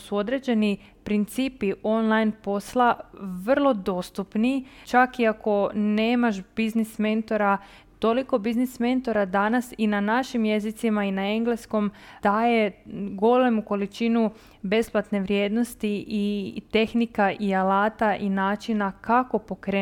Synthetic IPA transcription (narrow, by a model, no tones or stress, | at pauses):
suo̞d̪ɾe̞d͡ʒe̞ni | pɾint̪siːpiʔo̞nlˠajnpo̞slˠaʋər̩lˠo̞d̪o̞st̪upnit͡ʃakiako̞ne̞ːmaʃb̥iznisme̞nt̪o̞ɾa | t̪o̞liko̞biznisme̞nt̪o̞ɾad̪anasinanaʃimje̞zit̪simainae̞ŋɡle̞sko̞md̪̥aːje̞ɡo̞le̞muko̞lit͡ʃinu | be̞splat̪ne̞ʋɾje̞ːd̪no̞st̪iʔit̪e̞xnikaʔialaːt̪aʔinaːt͡ʃinakako̞po̞kɾeː